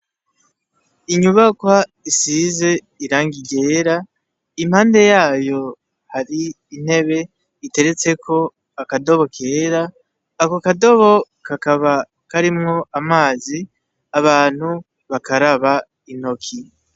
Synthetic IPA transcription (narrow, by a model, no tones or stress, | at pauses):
iɲuβakwaisize̞ | iɾaːŋɡiɡe̞ːɾa | im̥haːnde̞jaːjo̞ | haɾiː | n̥he̞βe̞ | ite̞ɾe̞t͡se̞kʰo̞ | akado̞βo̞kʰeːɾaː | kokado̞βo̞ | kakaβa | kaɾimŋo̞ʔamaːzi | aβaːn̥hu | βakʰaɾaβa | in̥o̞kʰi